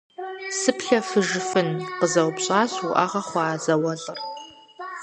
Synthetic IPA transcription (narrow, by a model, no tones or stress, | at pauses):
sɨpʰɬafɨʒfɨnqəzɐwpɕʼaːsuʔa̰ʁaχʷaːzawɐɮʼɨr